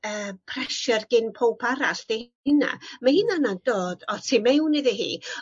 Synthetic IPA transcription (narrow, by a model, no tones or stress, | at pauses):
əːpʰrɛʃɛrɡɪnpʰowpʰaɾaɬd̥eh | ɪna̰mahɪnanad̥oːd̥ɔtʰiːmɛwneðiɦḭː